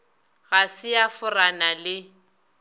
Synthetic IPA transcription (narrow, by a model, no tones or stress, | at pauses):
ɣasɪjafʊranalɪ